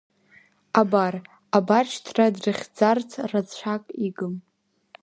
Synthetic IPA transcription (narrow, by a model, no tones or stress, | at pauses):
abar | abat͡ʃʰtʰradrɨχʲd͡zartʰrad͡zt͡ɕʷʰakʼiɡɨm